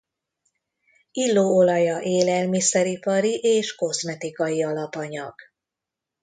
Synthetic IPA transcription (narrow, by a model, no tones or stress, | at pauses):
ilːoːo̞lɒjɒʔeːlɛlmisɛɾipɒɾiʔeːʃko̞smɛt̪ikɒjiɒlɒpɒɲɒ̰ɡ̥